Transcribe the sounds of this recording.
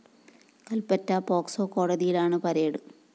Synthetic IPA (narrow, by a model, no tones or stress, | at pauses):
kɐlpɐtːɐpo̞ːksoːko̞ːɽɐðijilaːɳɨpɐɾeːɽɨ